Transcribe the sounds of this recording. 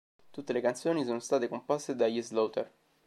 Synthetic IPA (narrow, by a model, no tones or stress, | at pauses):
t̪ut̪ːelekant̪sjoːnisoːnost̪aːt̪ekomposːed̪ajizlowt̪er